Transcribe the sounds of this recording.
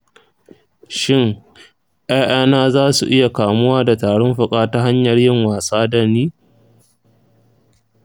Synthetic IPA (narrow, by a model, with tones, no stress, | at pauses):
ʃɪ˦ŋ | ʔaː˦ʔaː˦naː˦zaː˦su˨ʔɪ˦ja˨kaː˨mʊ˦waː˦da˨taː˨ɽɔ˦mɸʊ˨kʼaː˦ta˦ɦa˦ɲjɐ˨rjɪ˦ŋwaː˨saː˦dɐ˦niː˦